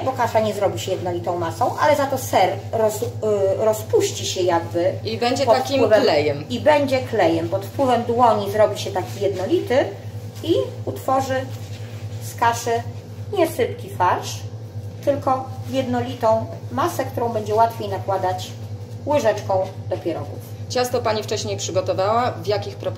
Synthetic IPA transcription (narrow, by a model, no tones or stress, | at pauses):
bɔkaʂaɲɛzɾɔbʲiɕɛjɛd̪̚nɔlʲit̪ɔ̃w̃masɔ̃w̃ʔa̰lɛzat̪ɔsɛɾɔzɾɔspuɕt͡ɕiɕɛjaɡbɘibɛɲd͡ʑɛtpɔt̪afkiwɘvɛlɛjɛmibɛɲd͡ʑɛklɛjɛmpɔt̪fpwɘvɛmd̪wɔɲizɾɔbʲiɕɛt̪akʲijɛd̪nɔlʲit̪ɘiut̪fɔʐɘ | skaʂɛ | ɲɛsɘpkʲifaɾʂt̪ɘlkɔjɛd̪nɔlʲit̪ɔ̃w̃masɛkt̪uɾɔ̃w̃bɛɲd͡ʑɛwat̪fʲjejnakwad̪at͡ɕ | wɘʐɛt͡ʂkɔ̃w̃d̪ɔpʲɛɾɔ̰ɡṵft͡ɕast̪ɔpaɲift͡ʂɛɕɲejpʂɘɡɔt̪ɔvawavjakʲixpɾɔp